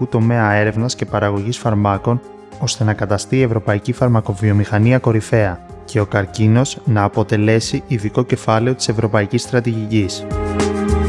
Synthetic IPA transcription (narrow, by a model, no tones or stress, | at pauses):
ut̪o̞me̞ɐe̞ɾe̞vnɐsce̞pɐɾɐɣo̞ʝisfɐɾmɐko̞n | o̞st̪e̞nɐkɐt̪ɐst̪iːe̞vɾo̞pɐicifɐɾmɐko̞vio̞mixɐniɐko̞ɾife̞ɐ | ce̞o̞kɐɾcino̞znɐːpo̞t̪e̞le̞siiðiko̞ce̞fɐle̞o̞t̪i̥se̞vɾo̞pɐicist̪ɾɐt̪iʝicis